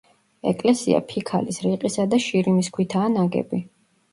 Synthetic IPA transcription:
ɛkʼlɛsia̰pʰikʰalisɾiqʼisad̪aʃiɾimiskʰwit̪ʰaːnaɡɛ̰bi

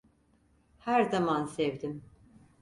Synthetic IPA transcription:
hæɾzamansɛvd̪im

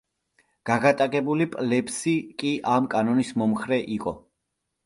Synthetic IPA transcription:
ɡ̥aɡat̪ʼakʼɛbulipʼlɛpsikʼiʔamkʼanɔnismɔmχɾɛʔiqʼɔ

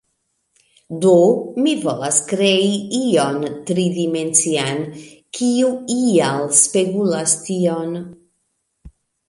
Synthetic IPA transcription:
d̪omivolaskɾeiiont̪ɾid̪imensian | kʰiuialspeɡulast̪ion

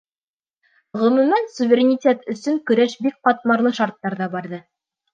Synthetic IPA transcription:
ʁɵ̆mɵ̆mænsuvʲeɾʲenʲitʲet̪ɵ̆sɵŋkɵ̆ɾæʃbik̚qɑt̪̚mɑɾlˠɤʃɑɾt̪ːɑɾðɑbɑɾðɤ

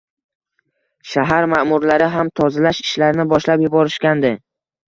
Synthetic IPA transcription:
ʃaɦaɾmamʊɾlaɾɪɦamt̪ʰɒzalaʃɪʃlaɾɪnɪbɒʃlapjʊbɒɾɪʃkʲand̪ɪ

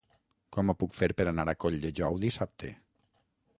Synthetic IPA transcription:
kɔmopukfeɾpeɾanaɾakɔʎd̪eʒɔwðisap̚t̪ʰḛ

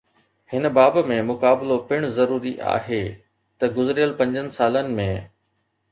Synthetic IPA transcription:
hɪnbaːbmẽmʊkaːblopɪɽ̃zɐɾuːɾiʔa̰ːɦeː | t̪ɐɡʊzɪɾijəlpɐ̃ɲd͡ʑənɪ̆saːlənɪ̆mẽ

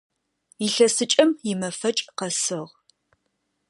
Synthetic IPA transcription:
ɪɬɐsɨt͡ʃʼɐmjɪmɐfɐt͡ʃʼqɐsɨʁ

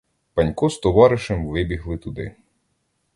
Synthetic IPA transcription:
pɐnʲkɔst̪ɔʋɑɾɪʃɛmʋɪbʲiɦlˠɪt̪ʊd̪ɪ̰

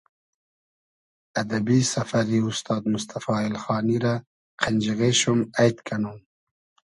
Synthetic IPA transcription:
ad̪abisafaɾiʊst̪ɑːd̪mʊst̪afɑːɪlxɑːniɾa | qʰenʲd͡ʒiɣeʃumajt̪kʰanum

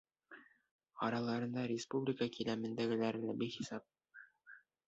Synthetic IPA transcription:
ɑɾɑlˠɑɾɤ̆nd̪ɑɾʲɪspublʲikəkilæmɘ̆nd̪æɡɘ̆læɾɘ̆læbiχisɑp̚

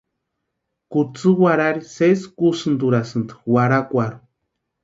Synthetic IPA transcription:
kut͡sɨwaɾaɾiseskusɨnd̪uɾasɨnd̪ɨ̥waɾakʷaɾu

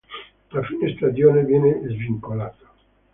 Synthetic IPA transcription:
lafinest̪ad͡ʒjoːnevjɛːnezviŋkolaːt̪ḁ

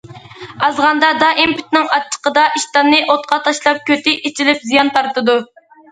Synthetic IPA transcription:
ɑzʁɑnd̪ɑd̪ɑʔimpʰy̥t̪̚nɪŋɑt͡ʃʰːə̥qəd̪ɑʔiʃt̪ɑnːɨʔot̪̚qɑt̪ʰɑʃlˠɑp̚kʲʰøt̪ʰɪʔit͡ʃʰilɪpzijɑnt̪ʰɑɾt̪ɨd̪u

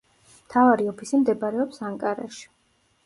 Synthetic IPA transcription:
mt̪ʰavaɾiɔpʰisimd̪ɛbaɾɛɔpsaŋkʼaɾa̰ʃi̥

